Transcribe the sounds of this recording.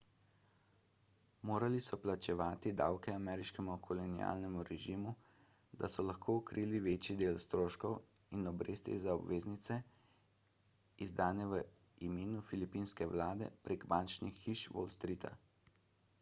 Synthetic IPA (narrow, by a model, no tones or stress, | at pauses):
moːɾalisɔplat͡ʃɛʋaːt̪id̪a̰wkɛamɛːɾiʃkɛmukʰɔlɔnia̰ːlnɛmuɾɛʒimu | d̪asɔlaxkʰoːukɾiːliʋeːt͡ʃid̪eːlst̪ɾoːʃkɔwinɔbɾḛːst̪jɛ̰zaɔbʋeːznit̪sɛ | izd̪aːnɛʋə | imeːnufilipinskɛʋlaːd̪ɛ̰pɾeːɡbant͡ʃnixːiʃʋo̰lst̪ɾit̪ʰa̰